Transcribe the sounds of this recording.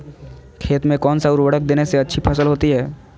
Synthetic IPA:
kʰeːt̪mẽkɔːnsaʊɾʋɐɽək̚d̪eːneseɐtːʃʰipʰɐsəlɦoːt̪iɦɛː

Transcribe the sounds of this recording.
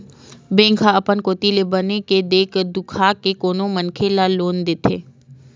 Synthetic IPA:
bẽːŋkʰaəpənkoːt̪ilebəneked̪eːkʰd̪ʊkʰakekoːnomənkʰelaloːnd̪ɪt̪ʰeː

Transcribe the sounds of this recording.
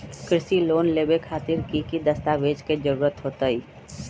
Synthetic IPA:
kɾɪʃiloːnleːbekʰaːt̪ɪɾkikid̪ɐst̪aʋeːd͡ʒked͡ʒəɾuːɾət̪ɦoːt̪əiː

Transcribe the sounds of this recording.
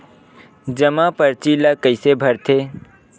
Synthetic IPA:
d͡ʒəmãpəɾt͡ʃilakəɪsebʱəɾt̪ʰe

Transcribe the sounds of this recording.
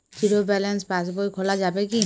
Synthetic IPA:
siɾobɛlɛnsbas̬bojkʰɔlazabɛki

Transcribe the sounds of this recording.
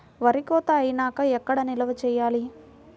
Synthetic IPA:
ʋɐɾikɔːt̪ɐːjinaːkɐɛkːɐɽɐnilɐʋɐt͡ʃɛːjaːli

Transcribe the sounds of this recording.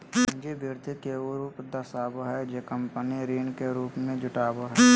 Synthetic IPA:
d͡ʒebɪɾt̪ikeuɾupd̪ɐsaːboɦɛd͡ʒekəmpəniɾiːnkeɾuːpmẽd͡ʒʊʈaːboɦɛː

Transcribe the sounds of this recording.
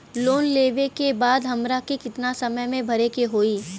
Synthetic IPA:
loːnleːʋekebaːd̪ɦɐmɾakikɪt̪nasɐməjmẽbʱɐɾekeɦoːiː

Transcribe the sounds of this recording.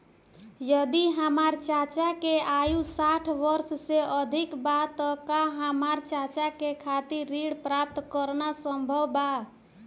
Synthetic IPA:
jəd̪iɦəmaɾt͡ʃat͡ʃakeajusaʈʰʋəɾsseəd̪ʱikbat̪əkaɦəmaɾt͡ʃat͡ʃakekʰat̪iːiɽpɾap̚t̪kəɾnasəmbʱəwba

